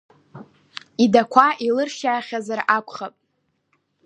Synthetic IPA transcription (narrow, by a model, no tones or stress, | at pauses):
idakʷʰaʔilɨrʃaːχʲazarakʷʰʼχapʼ